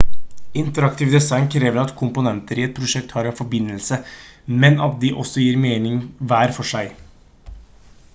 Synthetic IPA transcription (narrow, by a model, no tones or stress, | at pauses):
ɪnt̪əɾɑk̚t̪ɪːʋd̪ɛsɑɪnkʰɾeːʋəɾɑt̪kʰʊmpʊnɛnt̪əɾɪɛt̪̚pʰɾʊʂɛk̚t̪hɑːɾɑfɔɾbɪnːəlsəmɛnɑt̪̚d̪ɪʔɔ̰sːɔjiːɾmeːnɪŋʋæːɾfɔʂæɪ